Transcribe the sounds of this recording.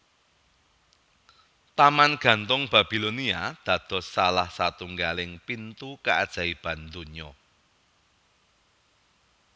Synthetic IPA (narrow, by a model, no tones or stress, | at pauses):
t̪amanɡ̥ä̤nt̪ʊŋb̥ä̤b̥i̤loniad̪̥ä̤d̪̥ɔ̤sːalahsat̪uŋɡalɪŋpint̪ukaʔad̥ʒ̥a̤ib̥ä̤nd̪uɲɔ